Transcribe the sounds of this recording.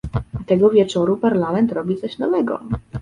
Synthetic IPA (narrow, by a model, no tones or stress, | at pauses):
t̪ɛɡɔvʲjɛt͡ʂɔɾupaɾlamɛnt̪ɾɔbʲit̪sɔɕnɔvɛɡɔ̰